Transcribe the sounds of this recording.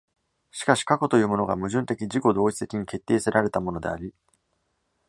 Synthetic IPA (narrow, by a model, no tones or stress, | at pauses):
ɕi̥kaɕi̥kako̞t̪o̞jɯ̟ːmo̞no̞ɡa̰mɯ̟ʑɨ̃nt̪e̞kʲiʑiko̞d̪o̞ːit͡sɨ̥t̪e̞kʲiɲ̟ike̞t̪ːe̞ːseɾaɾe̞t̪amo̞no̞d̪e̞̰a̰ɾʲi